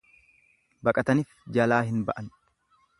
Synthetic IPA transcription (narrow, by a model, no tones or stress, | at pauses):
bɐkʼɐt̪ɐnifd͡ʒɐlaːhɪnbɐʔɐn